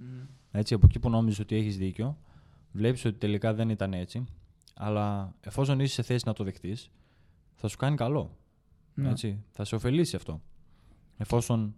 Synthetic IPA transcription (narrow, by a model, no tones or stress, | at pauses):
e̞t͡siɐpo̞cipuno̞miziso̞t̪ie̞çizðiceo | vle̞pi̥so̞t̪i̥t̪e̞likɐðe̞nit̪ɐne̞t͡si | ɐ̰lɐe̞fo̞so̞nise̥se̞θe̞sinɐt̪o̞ðe̞xt̪is | θɐsu̥kɐnikɐlo̞ | e̞t͡siθɐseo̞fe̞lisiɐft̪o̞ | e̞fo̞so̞n